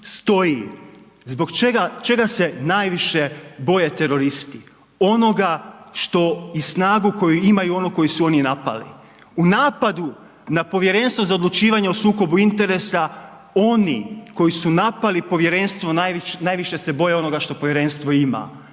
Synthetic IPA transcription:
st̪o̞ji | zbo̞ɡt͡ʃeɡat͡ʃe̞ɡase̞najʋiʃe̞bo̞jet̪e̞ɾo̞ɾist̪i | o̞no̞ɡaʃt̪o̞isnaːɡuko̞juimajuo̞nuko̞jisuo̞ninapa̰lḭ | unaːpad̪u | napo̞ʋje̞ɾe̞nst̪ʋo̞zao̞d̪lut͡ʃiːʋaɲeosuːko̞buint̪e̞ɾe̞sa | o̞nḭko̞jisunapalipo̞ʋje̞ɾe̞nst̪ʋo̞naʃnaːjʋiʃe̞se̞bo̞jeo̞no̞ɡaʃt̪o̞poʋjeɾe̞nst̪ʋo̞ima̰

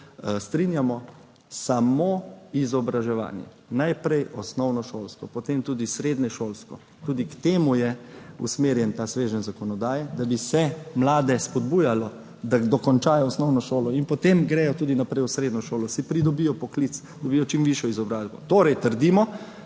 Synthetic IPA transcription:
st̪ɾinjamɔ | samoizɔbɾaʒɛʋa̰ːnjɛ̰ | najpɾɛjɔsnɔwnɔʃoːlskɔpɔt̪eːmt̪uːd̪isɾeːd̪nɛʃoːlskɔ | t̪uːd̪ikt̪eːmujɛṵsmeɾjɛnt̪aːsʋeːʒənzakɔnɔd̪aːjɛd̪abisɛmlaːd̪ɛspɔd̪buːjalɔ | d̪ad̪ɔkɔnt͡ʃaːjɔːsnɔwnɔʃoːlɔinpɔt̪emɡɾɛːjɔt̪uːd̪inapɾɛjusɾeːd̪nɔʃoːlɔsipɾid̪ɔbiːjɔpɔklit̪s | d̪ɔbijɔt͡ʃimʋiʃjɔizɔbɾaːzbɔt̪oːɾɛjt̪əɾd̪iːmɔ

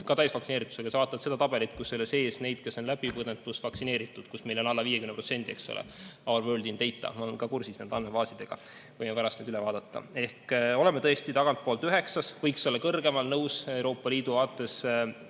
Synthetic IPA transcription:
kɑt̪æjsvɑksineːɾit̪ːˑu̥sekɑsɑvɑːt̪ːˑɑt̪se̞d̪ɑt̪ɑb̥e̞lit̪kusːe̞lːese̞ːsne̞jd̪̥ke̞so̞nlæb̥ipɯd̪et̪ːˑusvɑksine̞ːɾit̪ːˑud̪̥kusme̞jlo̞nɑlːɑviːjekymnpro̞t̪se̞nd̪ie̞kso̰lʔḛɑwrvøːld̪int̪e̞jt̪ˑːɑ̰mnkɑkursisnend̪ɑnmevɑːsid̪e̞ɡ̥ɑ̰ | vɤjmepæɾɑst̪ed̪ylɛvɑːd̪ɑt̪ːˑɑ̰e̞hkolemet̪ɤest̪it̪ɑɡ̥ɑnt̪̚poːlt̪yɦe̞ksɑsvɤjkselːɑkɤrɡ̥e̞mɑlnɤwsewɾo̞ːpːˑɑliːd̪uvɑːt̪ːˑe̞s

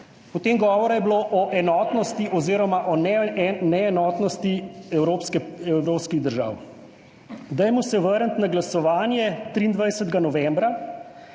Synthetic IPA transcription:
pɔt̪eːmɡɔːʋɔɾajɛbloʔɔʔɛnɔːt̪nɔst̪iʔɔziɾɔmaʔɔnɛnɛːnɔːt̪nɔst̪iɛwɾoːpskɛɛwɾoːpskiɣd̪əɾʒa̰ːw | d̪ɛjmɔsɛʋəɾnt̪naɡlasɔʋaːnjɛt̪ɾiːnd̪ʋajsət̪ɡanɔʋɛmbɾa

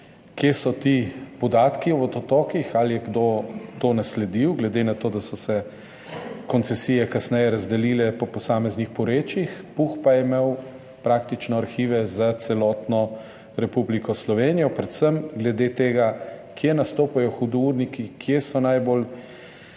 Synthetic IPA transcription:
kjesɔt̪ipɔd̪aːt̪kiɔʋɔt̪ɔt̪ɔːkixalijɛɡd̪ot̪onaslɛd̪iwɡlɛd̪enat̪oːd̪asɔsɛ | kɔnt̪sɛsijɛkasnɛjɛɾazd̪ɛliːlɛpɔpɔsaːmɛznixpɔɾeːt͡ʃixpuxpajɛmew | pɾaːkt̪it͡ʃnɔaɾxiːʋɛzat̪sɛlɔt̪nɔ | ɾɛpublikɔslɔʋeːnijɔpɾɛt̪səmɡlɛd̪et̪eːɡakjenast̪oːpajɔxud̪ɔuɾnikikʰjesɔnajbol

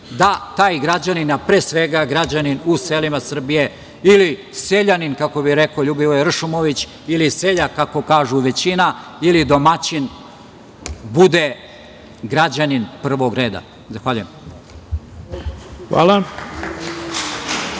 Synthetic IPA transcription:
d̪at̪aːjɡɾad͡ʑaninapɾeːsʋeɡaɡɾad͡ʑaninuselimasr̩bije̞ | ili | seʎaninkako̞biɾe̞koʎubiojer̩ʃumoʋit͡ɕ | iliseʎakako̞kaːʒuʋe̞t͡ɕinailid̪o̞mat͡ɕin | bud̪e | ɡɾad͡ʑaninpr̩ʋo̞ɡɾe̞ːd̪a̰ | zaxʋaʎujem | xʋa̰ːla

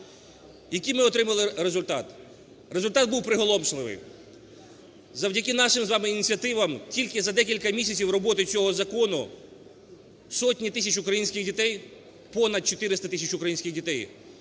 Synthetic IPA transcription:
jɐkɪjmɪɔt̪ɾɪmɐlˠɪɾezʊlʲt̪ɑt̪ | rezʊlʲt̪ɑt̪̚buwpɾɪɦɔlˠɔmʃlˠɪʋɪ̰j | zɐwdʲɐkɪnɑʃɪmzʋɑmɪinʲit͡sʲiɐt̪ɪʋɐmtʲilʲkɪzɐd̪ɛkʲilʲkɐmʲisʲɐt͡sʲiwrɔbɔt̪ɪt͡sʲɔɦɔzɐkɔnʊ | sɔtʲnʲit̪ɪsʲɐt͡ʃʊkɾɐjinʲsʲkʲɪxdʲit̪ɛj | pɔnɐd̪̚t͡ʃɔt̪ɪɾɪst̪ɐt̪ɪsʲɐt͡ʃʊkɾɐjinʲsʲkʲɪxdʲit̪ɛj

